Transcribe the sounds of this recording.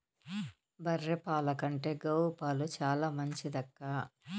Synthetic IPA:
bɐrːepaːlɐkɐɳʈe̞ːɡɐwɾupaːlut͡ʃaːlaːmɐɲt͡ʃid̪ɐkːaː

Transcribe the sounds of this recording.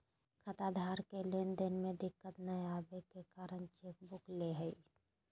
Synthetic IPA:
kʰɐt̪ad̪ʱaːɾkelɪnd̪ɪnmẽd̪ɪkːət̪nɐjaːbekekaːɾəñt͡ʃeːk̚bʊkleɦəi

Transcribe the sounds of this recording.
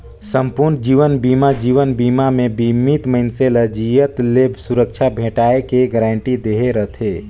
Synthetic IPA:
sə̃mpuɾnd͡ʒiːʋənbiːmad͡ʒiːʋənbiːmamẽbimit̪məɦɪnseləd͡ʒijət̪lebʱsuɾəkt͡ʃʰabʱeːʈaːekeɡəɾãːɳʈid̪eːɦeɾət̪ʰe

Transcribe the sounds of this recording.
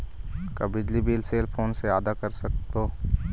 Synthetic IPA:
kabɪd͡ʒlibiːlseːlpʰoːnseaːd̪akɐɾsɐk̚t̪oː

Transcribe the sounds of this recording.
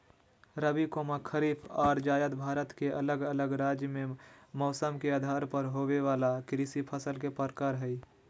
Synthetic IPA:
ɾəbikomakʰəɾiːpʰɔːɾd͡ʒaːjət̪bʱaːɾət̪keʔələɡələɡɾaːd͡ʒjəmẽmɔːsəmkeaːd̪ʱaːɾpəɾɦoːweʋaːlakɾiːsipʰəsəlkepəɾkaːɾɦɛi

